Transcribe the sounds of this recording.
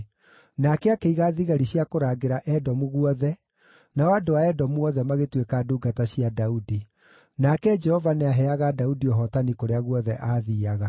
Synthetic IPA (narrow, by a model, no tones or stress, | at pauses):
nakɛakeiɣaðiɣaɾiɕjakoɾaːɡeɾaʔɛdɔmuɣuɔðɛ | naɔadoaɛdɔmuɔðɛmaɣetwekaːduːɡataɕiadaudi | nakɛd͡ʒɛhɔvaneaɦɛaɣadaudiɔɦɔtanikoɾeaɣuɔðɛʔaːðiːaɣa